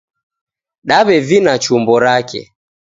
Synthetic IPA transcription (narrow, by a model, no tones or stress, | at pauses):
ɗaβɛvinat͡ʃumbɔɾakɛ̰